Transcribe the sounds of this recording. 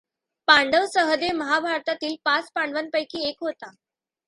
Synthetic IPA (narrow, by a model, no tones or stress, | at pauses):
paɳɖəʋsəɦəd̪eməɦabʱaɾt̪at̪iːlpat͡spaɳɖʋənpəjkʰiːekɦot̪a